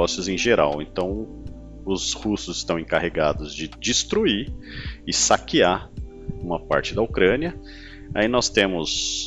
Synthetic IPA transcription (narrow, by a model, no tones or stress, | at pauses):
ɔsjʊzẽj̃ʒeɾa̰wẽnt̪ɐ̃w̃ | ʊzhusʊzɪst̪ɐ̃w̃ẽkaheɡad̪ʊzd͡ʒɪd͡ʒist̪ɾuiɪsakia | ũmɐpa̰ɾt͡ʃɪd̪ɐokɾɐ̃niɐ | ainɔst̪ẽmʊs